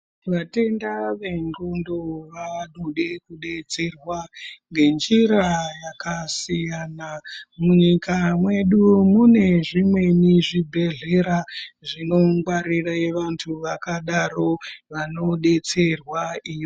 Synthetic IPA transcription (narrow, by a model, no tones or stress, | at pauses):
ʋate̞ndaʋe̞ŋɡondoʋaɗuɗe̞kuɗe̞t͡se̞rwaŋɡe̞nd͡ʒiɾajakasijaːnamuɲikamwe̞ɗumune̞ʐimwe̞niʐibʱe̞ɮe̞ɾaʐino̞ŋɡwaɾiraeʋantʰuʋakaɗaro̞ʋano̞ɗe̞t͡se̞rwaiːʋo